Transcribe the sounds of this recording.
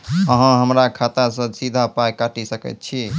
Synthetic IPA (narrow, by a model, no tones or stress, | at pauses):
əɦə̃ɦəmɾakʰat̪asə̃sid̪ʱapajkaʈisəkɛ̰t̪̚t͡ʃʰi